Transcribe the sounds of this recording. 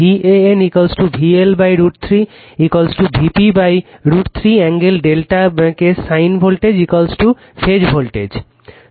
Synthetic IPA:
ieenikolsʈubʱielbajɾuɖt̪ʰɾi | ikolsʈubʱipibajɾuʈt̪ʰɾiɛŋɡelɖelʈakesajnbʱolʈed͡ʑikolsʈu | fʰed͡ʑbʱolʈed͡ʑ

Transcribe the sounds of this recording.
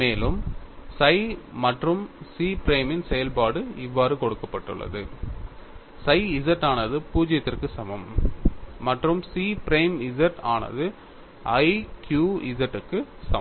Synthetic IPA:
meːlɯmsɐɪmɐʈrɯmsiːpɪɾeːmɪnsɛjɐlpaːɽɯɪʋːaːɾɯkɔɽɯkːɐpːɐʈːɯ̰ɭːɐ̰ðɯ | sɐɪɪzɐʈːaːnɐðɯpuːd͡ʒɪjɐt̪ːɪrkɯsɐmɐmː | ɐʈrɯmsiːpɪɾɐjmɪzɐʈa̰ːnɐ̰ðɯ | ʔɐɪkjuːɪðɐʈːɯkːɯsɐm

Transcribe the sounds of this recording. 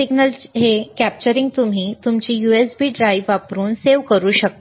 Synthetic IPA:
iɡnəlɦekæp̚t͡ɕəɾiŋɡt̪um̤iːt̪umt͡ɕiːjuesbiːɖɾaiʋːapɾuːnseʋkəɾuːɕək̚t̪

